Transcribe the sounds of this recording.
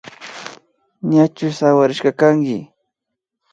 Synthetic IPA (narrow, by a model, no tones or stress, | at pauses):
ɲat͡ʃʊsawaɾɪʃɢɑkaŋkɪ